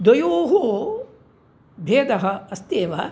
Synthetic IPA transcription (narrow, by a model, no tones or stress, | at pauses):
d̪ɐjoːɦu | bʱeːd̪ɐɦɐ̆ɐst̪eːʋɐ